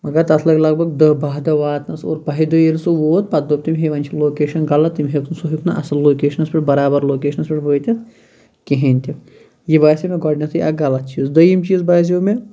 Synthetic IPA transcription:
mɐɡɐɾt̪ɐt̪ʰlɐɡʲlɐɡ̚bɐɡ̚d̪ɐbaɦd̪ɐʋaːt̪nɐso̰ːɾpɐɦid̪ɨjilsuʋoːt̪̚pɐt̪̚d̪op̚t̪imʲɦeʋɐnʲt͡ʃʰiloːkeːʃɐnɡɐlɐt̪ːimʲɦikʰnsuɦikʰnɐ̰ʔɐ̰sɐlloːkeːʃɐnɐspʲiʈbɐɾaːbɐɾloːkeːʃɐnɐspʲiʈbət̪ʲɐs | keɦenʲt̪i | jibaːsimeɡɔːɖnɐsijɐɡɐlɐt̪̚t͡ʃiːzd̪ɐjimt͡ʃiːzbaːs̬iume

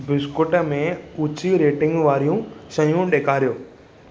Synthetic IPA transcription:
bɪskʊʈəmẽʊt͡ɕiɾeːʈɪ̃ŋɡʋaːɾijũsɐ̃jjũɗeːkʰaːɾijoː

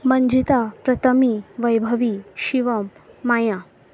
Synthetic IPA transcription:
məɲd͡ʑit̪apɾət̪ʰəmiʋəjbʱəʋiʃiʋəmːaja

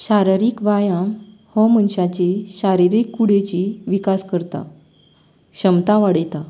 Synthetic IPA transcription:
ɕaɾɾiːkʋajãm | hɔmənɕat͡ɕeɕaɾiɾikːuɽet͡ɕiʋikaskəɾt̪a̰ | ɕəmt̪aʋaɽet̪a

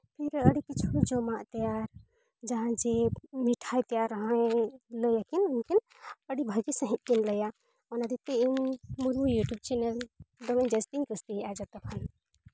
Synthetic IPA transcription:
pʰiɾəɽikit͡ʃʰud͡ʒɔmaʔt̪ɛjaɾ | d͡ʒaɦãd͡ʒemiʈʰajt̪ɛjaɾɔɦãjləjakinunkin | əɽibʱəɡisə̃ɦĩt̪̚kinləja | ɔnad̪it̪eimmuɾmujuʈjub̚t͡ʃɛnɛld̪ɔmɛ̃nd͡ʒɛst̪iŋkust̪iɦʔad͡ʒat̪ɔkʰan

